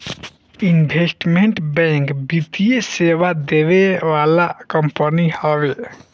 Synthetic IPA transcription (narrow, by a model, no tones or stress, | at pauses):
inbʱesʈmeɳʈbɛŋkbit̪ijeseʋad̪eβeʋalakəmpənihəbe